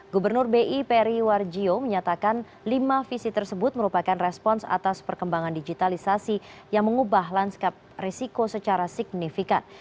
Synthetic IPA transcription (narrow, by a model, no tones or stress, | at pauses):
ɡubərnʊrbeʔipeɾiward͡ʒioməɲat̪akan | limafisit̪ərsəbʊt̪̚məɾupakanrɛspɔnsa̰t̪aspərkəmbaŋandid͡ʒit̪alisasi | jaŋməŋubaɦlanskap̚resikosət͡ʃaɾasik̚nifika̰n